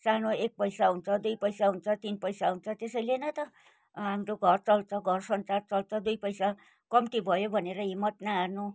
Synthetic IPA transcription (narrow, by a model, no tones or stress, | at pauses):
sanoek̚pʌjsaɦunt͡sʰʌd̪ujpʌjsaɦunt͡sʰʌt̪inpʌjsaɦunt͡sʰʌt̪esʌjlenʌt̪ʌ | ɦamɾoɡʱʌrt͡sʌlt͡sʰʌɡʱʌrsʌnt͡sart͡sʌlt͡sʰʌd̪ujpʌjsa | kʌmʈ̪ibʱʌjobʱʌneɾʌɦimːʌt̪naːrnu